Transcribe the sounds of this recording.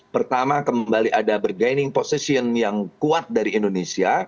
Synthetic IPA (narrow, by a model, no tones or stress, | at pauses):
pərt̪amakəmbaliʔadabərɡajnɪŋposisiənjaŋkuat̪̚daɾiːndonesia